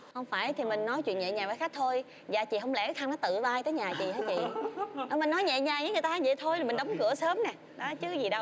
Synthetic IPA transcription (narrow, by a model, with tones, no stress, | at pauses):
hə˧wŋ͡mfaː˧˩jt̪ʰi˨˩mï˨˩ŋ̟nɔ˨˦jt͡ɕwḭ˧˨ənɲɛ̰˧˨ɲaː˨˩vaː˨˦xa˦˥k̚t̪ʰo˧j | zaː˨˩t͡ɕḭ˧˨hə˧wŋ͡mlɛ̰˧˩t̪ʰa˧ŋnɔ˨˦t̪ɨ̰˧˨ɓaː˧jt̪əː˨˦jɲaː˨˩t͡ɕḭ˧˨həː˧jt͡ɕḭ˧˨˧əː˨˧˩mï˨˩ŋ̟nɔ˨˦jɲɛ̰˧˨ɲaː˨˩ɲaː˧˨˦ŋɨ˨˩jt̪aː˧ɲɛ̰˧˨t̪ʰo˧jla˨˩mi˨˩ŋ̟ɗa˨˦wŋ͡mkɨ˧˩əsəː˨˦mnɛ˨˩ | ɗɔ˨˦t͡ɕɨ˨˦zi˨˩ɗə˧w